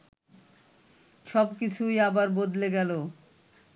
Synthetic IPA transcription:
ʃɔbkit͡ɕʰujabaɾbod̪leɡɛlo

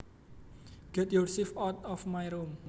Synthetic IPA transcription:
ɡ̥ɛt̪̚jursifɔt̪ɔfmajɾom

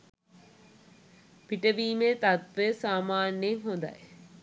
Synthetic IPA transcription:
piʈəʋiːmet̪at̪ʋeəsaːmaːnːjeŋɦõnd̪a̰j

